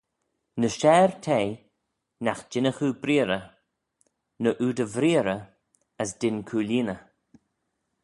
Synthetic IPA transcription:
nəʃɛːɹt̪ʰeː | naxd͡ʒɪnəxuːbɾiːɾə | nəʔuːd̪əvɾiːɾə | əsdɪnkʰuːliːnə

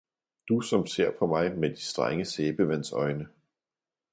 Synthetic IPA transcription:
d̥usɒ̽mse̝ɐ̰pʰɒ̽mɑ̈ɪmed̥isd̥ʁa̰ŋəseːb̥əʋænsɒ̽ɪnə

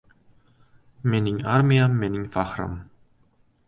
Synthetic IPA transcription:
meninʲarmʲijamːeninʲfɑχra̰m

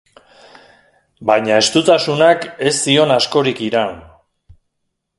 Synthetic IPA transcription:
bajɲae̞st̪ut̪asunake̞sːio̞nasko̞ɾikiɾan

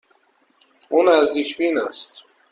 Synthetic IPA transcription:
unazd̪ikʰbinast̪

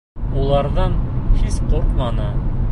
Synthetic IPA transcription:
ulˠɑɾðɑɴhispoɾt̪mɑnɤ

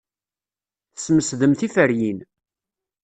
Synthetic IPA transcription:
θəsməsðəmθifəɾjin

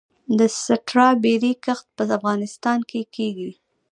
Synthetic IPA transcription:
d̪əsaʈɾɑbeɾekaxt̪̚pəafɣɑnɪst̪ɑnkekʰeɡi

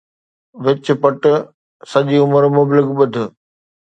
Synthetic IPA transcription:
ʋɪt͡ɕ̆pɐʈ | sɐʄiʊməɾmʊblɪkɓʊd̪ʱɪ̆

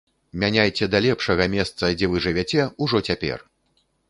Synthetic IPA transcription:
mʲanʲajt͡sʲɛd̪alʲɛpʂɐɣɐmʲɛst̪sɐd͡zʲɛvɨʐɨvʲɛt͡sʲɛuʐɔt͡sʲapʲɛ̰r

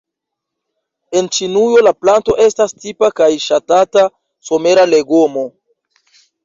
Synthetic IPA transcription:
e̞nt͡ʃinujo̞laplanto̞ʔe̞stastipakajʃatata | so̞me̞ɾale̞ɡomo̞

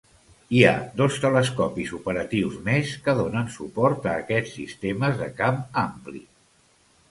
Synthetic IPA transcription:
ia̰d̪ost̪ələskɔpizupəɾət̪iwzmeskəðonənsupɔɾt̪əːkɛt͡sːist̪eməzðəkamamplḭ

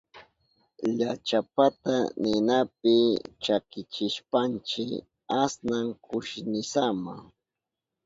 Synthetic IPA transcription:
ʎat͡ʃapat̪anɪnapɪt͡ʃakɪt͡ʃɪʃpant͡ʃɪ | asnaŋkʰʊʃnɪsama

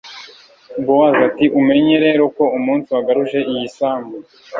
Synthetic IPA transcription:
ɡowazatiʔume̞ɲe̞ɾe̞ːɾo̞ko̞umuːnsiwaɡaɾuʒe̞ijisaːmbu

